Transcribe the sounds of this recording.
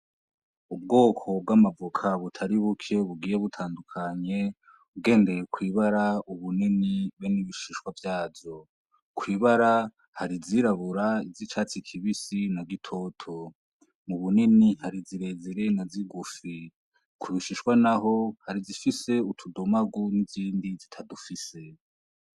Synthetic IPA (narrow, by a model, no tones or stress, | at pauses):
ubɡo̞ːkʰo̞b̚ɡamavukʰaβutʰaɾiβukʰe̞βuɡiːje̞βutʰaːndukʰaɲe̞ | uɡe̞ːnde̞jekwiːβaɾauβuniniweniβiʃiʃwavjaːvo̞ | kwiːβaɾa | haɾiziɾaβuɾaizit͡ʃaːt͡sikʰiβisinaɡitʰo̞ːtʰo̞ | muβuninihaɾiziɾe̞zeɾe̞naziɡufi | kʰuβiʃiʃwanaɦo̞haɾizifise̞utʰudomaɡuniziːndizitʰadufise̞